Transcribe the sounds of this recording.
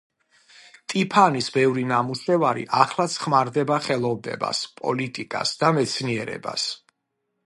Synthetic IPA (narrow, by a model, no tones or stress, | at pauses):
t̪ʼipʰanisbɛvɾinamuʃɛvaɾḭʔaχlˠat̪sʰχmaɾd̪ɛbaχɛlˠɔvnɛ̰ba̰spʼɔ̰lit̪ʼikʼa̰sd̪amɛt̪sʰniɛɾɛ̰ba̰s